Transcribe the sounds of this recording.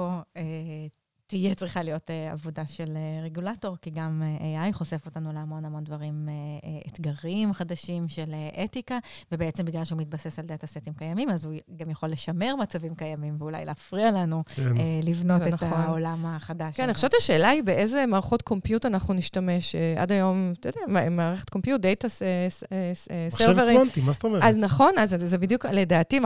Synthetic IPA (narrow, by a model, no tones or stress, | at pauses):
oe | tijet͡sʁiχalijo̞tea̰vodaʃeleʁeɡulato̞ʁkiɡameʔeajχo̞se̞fo̞tanuleamo̞namo̞ndvaʁimeetɡaʁimχadaʃimʃeleʔetikavebeet͡sebiɡlalʃeumit̚basesald̪atasetimkajamimazuɡamjaχo̞lːe̞ʃame̞ʁmat͡savimkajamimveula̰jleafʁialanuelivnotetaolamaχadaʃkaniχoʃevet͡ʃtaʃe̞ːlaibe̞ʔezemaːʁaχo̞tkʰo̞mpjutanaχnuniʃtame̞ʃeʔa̰dajo̞mt̪odeamaːʁeχet̚kompjut̚d̪ejtaseseseseʁveʁiant̪imazt̪aomeaznaχo̞nazzebid̪jukle̞daːtim